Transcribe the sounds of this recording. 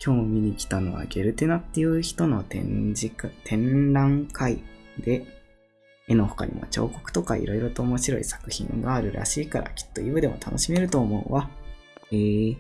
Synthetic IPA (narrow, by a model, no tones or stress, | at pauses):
kʲʰo̞ːmʲiɲ̟ikʲi̥t̪ano̞βa̰ɡʲe̞ɾɯ̟t̪e̞nat̪ːe̞jɯ̟ːçi̥t̪o̞no̞t̪ḛ̃ɲd͡ʑikt̪ʰẽ̞nɾãŋkʰaid̪e̞ | eno̞ho̥ka̰ɾʲḭmo̰t͡ɕo̞̰ːko̞̥kɯ̥t̪o̞kaḭɾo̞iɾo̞t̪o̞ːmo̞ɕiɾo̞̰ḭsḁkɯ̟çḭ̃ŋɡaːɾɯ̟ɾʔa̰ɕiːkaɾʔa̰kʲi̥t̪ːo̞jibɯ̟d̪e̞mo̞̰t̪ʰanʔo̞ɕime̞ɾɯ̟t̪o̞ːmo̞ɯ̟βa | eː